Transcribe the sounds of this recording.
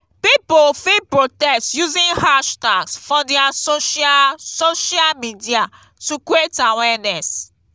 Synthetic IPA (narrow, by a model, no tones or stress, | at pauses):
pipofipɹotɛstjuzĩnhaʃtaɡsfɔdɛasoʃasoʃalmidia | tuketãwɛnɛs